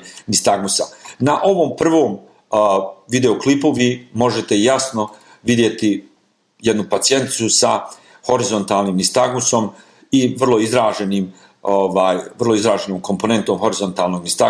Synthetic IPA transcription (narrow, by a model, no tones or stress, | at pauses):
nist̪aɡmusanaʔo̞ʋo̞ːmpr̩ʋo̞ːm | ʋid̪e̞oklipuʋiːmo̞ʒe̞t̪e̞jasno̞ | ʋid̪je̞t̪i | je̞d̪nupat̪sije̞nt̪i̥susa | ho̞ɾizo̞nt̪aːlˠniːmnist̪aɡnuso̞m | iʋr̩lˠo̞izɾaːʒe̞niːm | oʋaːjʋrlˠoizɾaːʒe̞noːmko̞mpone̞nt̪o̞mxoɾizo̞nt̪aːlˠno̞ɡnist̪a